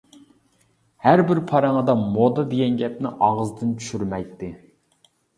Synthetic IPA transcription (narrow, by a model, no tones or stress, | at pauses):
hæɾbɪɾpʰɑɾɑŋəd̪ɑmod̪ɑd̪eɡʲɛnɡʲɛp̚nɪ̰ʔɑʁəzd̪ɨnt͡ʃʰy̥ʃyɾmɛjt̪ːɪ